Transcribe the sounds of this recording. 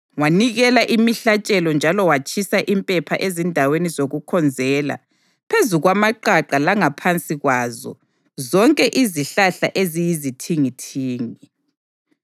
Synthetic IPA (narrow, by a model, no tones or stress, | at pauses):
waniɣɛlaʔimiɬat͡ʃʼɛlɔnd͡ʒʱalɔwat͡ʃʰʼisaʔimpʼɛpʰaʔezindʱawenizoɣukʰɔnd͡zʱɛːla̰ | pʰezuɣwamaǃaǃalaŋapʰant͡sʼiɣwazɔ̰ | zɔŋkʼɛʔiziɬaɬa̰ʔezijizitʰiŋitʰiːŋi